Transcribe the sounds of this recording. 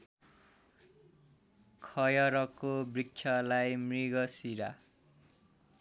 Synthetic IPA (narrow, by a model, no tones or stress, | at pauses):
kʰʌjʌɾʌkobrik̚t͡ʃʰʌlajmriɡʌsiɾa